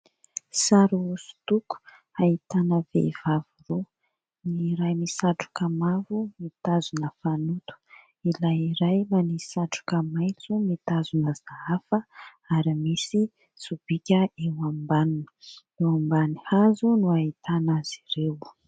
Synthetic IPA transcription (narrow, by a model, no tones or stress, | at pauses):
saɾuusu̥t̪uku̥ | ait̪anəvḛvaviro | niɾajmisaʈ͡ʂu̥kamavumit̪azunəfanut̪u̥ | ilajiɾajmanisaʈ͡ʂu̥kəmajt͡sumit̪azunəzaɦafə | aɾimisi | sub̥ikʲəewambanunə̥ | ewambanihazunuait̪anaz̥irew